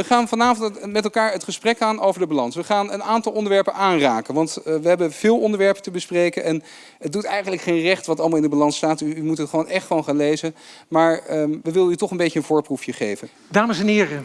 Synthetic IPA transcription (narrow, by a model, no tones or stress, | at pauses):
əχaːnvɑnaːvɔntmɛtɛlˠkaːɹətχəsprɛkaːnowvəɹdəbalɑnsʋəχaːnənaːntɑlˠɔndəɹʋɛɹpənʔaːnraːkənʋɑntʋəɦɛbəv̥ɪːlˠɔndəɹʋɛɹpətəbəsprejkənʔɛn | ədutɛjχənləkχejnrɛχtʋɑtɑlˠmalˠɪndəbalɑnstaːtyymutɦətχəʋownʔɛχtχəʋownχaːnlejzənmaːɹʋəʋɪldəytɔχənbejcəənvʊːɹprufjəχejvən | daːməsɛnɦɪːrə